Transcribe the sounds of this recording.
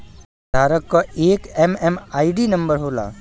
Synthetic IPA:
d̪ʱaːɾəkːɔeːkɛmɛmaːiɖinə̃mbəɾɦoːla̰ː

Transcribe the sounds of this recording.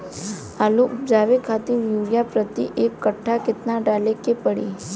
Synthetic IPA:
alũʔupd͡ʒaʋekʰat̪iʋjuɾijapɾət̪ḭʔekːəʈʰːaket̪naɖalekepəɽḭ

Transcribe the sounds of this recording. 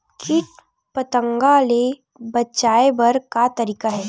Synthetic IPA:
kʰɪʈ | pət̪ə̃ŋɡale | bɐtːt͡ʃaːebɐɾkat̪ɐɾiːkaɦɛː

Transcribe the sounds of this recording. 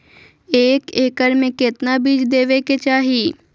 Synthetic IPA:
eːkeːkəɾmẽkɪt̪nabiːd͡ʒd̪eːʋeket͡ʃaːɦiː

